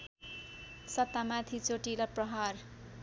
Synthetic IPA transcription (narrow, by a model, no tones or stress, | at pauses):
sʌt̪ːamat̪ʰit͡soʈilʌprʌɦar